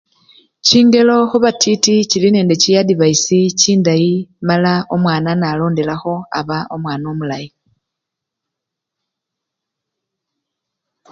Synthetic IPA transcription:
ciːŋɡe̞lo̞xuβatʰiticiline̞ːnde̞cijadiβaisiciːndajimalaomwaːnanalo̞ːnde̞laxo̞a̰βaomwaːno̞mulaji

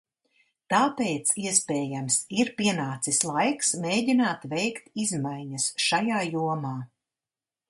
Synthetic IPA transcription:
t̪aːpeːt̪siɛspɛːjamsiɾpiɛnaːt̪sislˠajksmeːɟʲinaːt̪vɛjkt̪izmajɲɐsʃajaːjuɔmaː

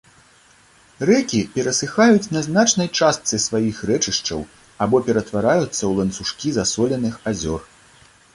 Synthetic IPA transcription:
rɛkʲipʲɛɾɐsɨxajut͡sʲnɐznat͡ʂnɐjt͡ʂast̪sɨsvajixrɛt͡ʂɨʂt͡ʂɐ̰w | abɔpʲɛɾɐt̪vaɾajut̪sːɐwlˠɐnsuʂkʲizasɔlʲɐnɨxazʲɔr

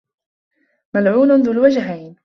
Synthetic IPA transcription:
malʕuːnðʊlwad͡ʒɦajn

